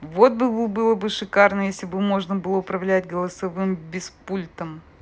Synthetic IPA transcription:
vo̞t̪̚bɨbɨbɨlˠəbɨʂɨkarnəjesʲlʲɪbɨmo̞ʐnəbɨlˠəʊpɾɐvlʲætʲɡəlˠəsɐvɨmbʲɪspulʲt̪əm

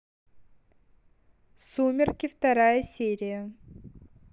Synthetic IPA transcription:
sumʲɪrkʲɪft̪ɐɾajəsʲeɾʲɪjə

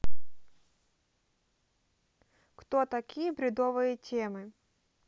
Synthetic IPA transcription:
kt̪ot̪ɐkʲijəbɾʲɪd̪ovɨjətʲemɨ

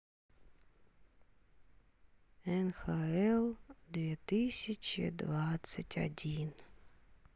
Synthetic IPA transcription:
ɛnxaɛlˠd̪vʲiːt̪ɨsʲɪt͡ʃɪ̰d̪vat̪sətʲɐ̰dʲin

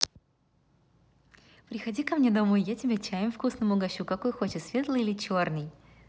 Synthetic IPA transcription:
pɾʲɪxɐdʲikɐmnʲed̪ɐmojjatʲɪbʲet͡ɕæjɪmfkusnəmʊɡɐɕukɐko̞jxo̞t͡ɕɪt̪svʲe̞t̪lˠɨjilʲɪt͡ɕo̞rnɨj

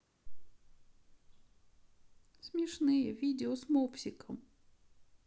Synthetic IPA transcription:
sʲmʲɛʂnɨjɛvʲid͡zʲɛɔsmɔpsʲikɐm

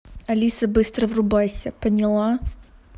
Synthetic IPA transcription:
ɐlʲisəbɨst̪ɾəvrʊbajsʲəpənʲɪlˠa

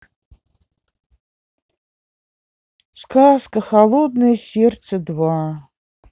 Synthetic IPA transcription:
sʷkʰaskʼaχalod̪nɨjsert͡sʰɐdwaː

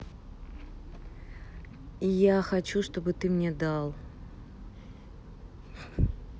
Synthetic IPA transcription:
ijaxɐt͡ɕuʂt̪o̞bɨt̪ɨmnʲed̪alˠ

